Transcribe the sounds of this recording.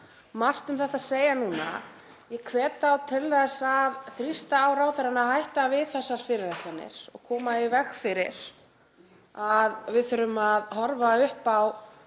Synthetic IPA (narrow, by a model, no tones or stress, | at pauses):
mar̥t̪ʏmθɛht̪ːaseːjanuːna̰ | jɛkʰvɛːt̪awt̪ʰɪlθɛsːaðθɾist̪aːwɾaːwθɛɾanahajht̪avɪðθɛsːaɾ̥fɪɾɪɾɛht̪anːɪ̰ɾ̥ɔɣkʰɔːmaivɛxfɪɾɪɾ̥ | aðvɪðθʏɾʏmaðɦɔɾvaʏhpaw